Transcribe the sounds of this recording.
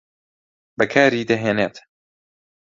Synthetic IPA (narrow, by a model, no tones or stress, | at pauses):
bɐkʰaːɾiːd̪ɐɦeːneːt̪